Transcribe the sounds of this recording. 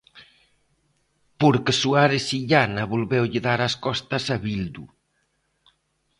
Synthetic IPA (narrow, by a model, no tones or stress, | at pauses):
poɾkesuaɾesiʎanaβolβɛwʎɪðaɾaskɔst̪asaβild̪u